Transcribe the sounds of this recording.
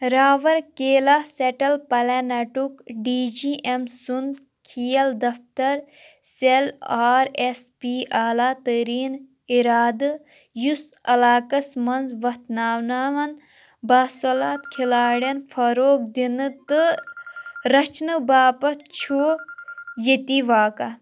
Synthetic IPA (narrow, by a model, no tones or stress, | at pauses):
ɾaːʋɐɾkeːlaːseʈɐlpɐlaːnɐʈukɖiːd͡ʒiːʔemsund̪ | kʰijɐld̪ɐft̪ɐɾ | selaːɾespiːʔaːlaːt̪əɾiːn | iɾaːd̪ɨ | jusɐ̰laːkɐsmɐnzʋɐt̪naːwnaːʋɐn | baːsolaːt̪kʰilaːɽjɐnfʰɐɾoːk̚d̪inɨt̪ɨ | ɾɐt͡ʃnɨbaːpɐt͡ʃʰoː | jet̪iʋaːka